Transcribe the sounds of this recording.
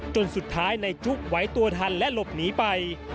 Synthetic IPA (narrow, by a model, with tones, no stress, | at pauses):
t͡ɕo˧nsu˨˩t̪ʰːaː˦˥jna˧jt͡ɕu˦˥˩k̚wa˦˥jt̪u˧ɐt̪ʰa˧nlɛ˦˥ʔlo˨˩p̚niː˦˥pa˧j